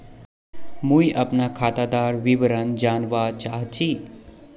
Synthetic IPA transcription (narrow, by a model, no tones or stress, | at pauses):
mujʔɐpnakʰaːt̪ad̪aːɾʋiʋəɾənd͡ʒaːnʋat͡ʃaːɦt͡ʃʰiː